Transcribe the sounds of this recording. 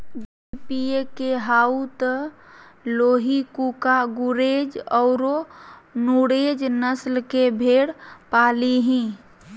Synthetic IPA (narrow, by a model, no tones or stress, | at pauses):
b | ipiekeɦaut̪ə | loːɦikukaɡuɾeːd͡ʒɔʊɾonuɽed͡ʒnəslkebʱeːɽpaːliɦĩː